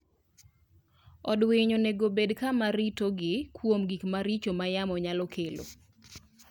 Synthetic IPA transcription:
ɔdweɲoneɡobedkamaɾitoɡɪkʰwomɡikmaɾit͡ʃomajamɔɲalɔkʰelo̰

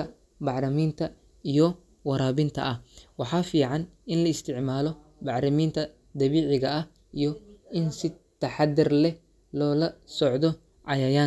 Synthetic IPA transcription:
ɐ | bɑħɾɐmiːnt̪ʰɐ | ijɔ | wɑɾaːβɪnt̪ʰɐ̰ʔɐwɑħɑːfiːʕɑnɪnlɐɪst̪ʰɪʕmaːlɔ | bɑħɾɪmiːnt̪ʰɐ | d̪ɐβiːʕɪɣɐɐ | ijɔɪnsɪ | t̪ʰɐħɑd̪ɪrlɛ | lɔːlɐsɔʕd̪ɔ | ʕɑjɐjaː

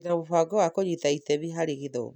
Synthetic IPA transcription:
naβofaɡɔwakoɲitaitɛβiɦaɾiɣiðɔ̰

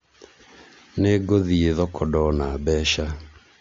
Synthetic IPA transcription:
neɡoðieðɔkʰɔdɔnabɛʃa

